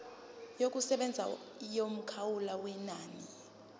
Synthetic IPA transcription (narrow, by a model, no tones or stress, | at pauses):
jok̬ʼusɛɓɛnd͡zʱa̰ | jom̩kʰawulawɛnaːni